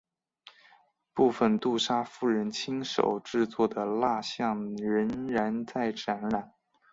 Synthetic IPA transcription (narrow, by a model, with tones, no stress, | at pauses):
pu˥˩fə˩nt̪u˥˩ʂa˥fu˥˩ɻə˧˥nt͡ɕʰi˥ŋʂo̰˨˩ʊʈ͡ʂɻ̩˥˧t͡swɔ˥˩d̪ə˩la˥˧ɕjɑ˥˩ŋɻə˧˥nɻa˧˥nt͡sa˥˩ɪʈ͡ʂa˧˥nɻa˨˩˦n